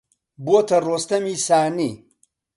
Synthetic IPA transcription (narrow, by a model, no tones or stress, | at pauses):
buot̪ɐrost̪ɐmisaːni